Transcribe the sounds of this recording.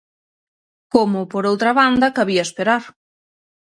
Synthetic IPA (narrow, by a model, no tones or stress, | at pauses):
komʊpoɾowt̪ɾɐβand̪ɐkaβiɐespeɾaɾ